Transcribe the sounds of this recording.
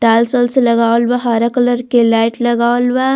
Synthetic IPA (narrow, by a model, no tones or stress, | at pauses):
ʈaːlsoːlselɐɡaːlʋaɦaːɾakɐləɾkelaːɪʈlɐɡaːlʋa